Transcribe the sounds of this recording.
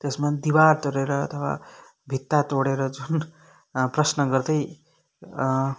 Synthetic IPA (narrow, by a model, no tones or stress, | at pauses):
t̪esmad̪iwaɾt̪oɽeɾʌ̰ːt̪ʰʌwa̰ | bʱit̪ːat̪oɽeɾʌd͡zun | prʌsnʌɡʌɾd̪ʌj